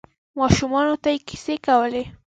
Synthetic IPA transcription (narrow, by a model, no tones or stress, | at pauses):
waʃʊmanʊt̪ajkɪ̥sɪkawlɪ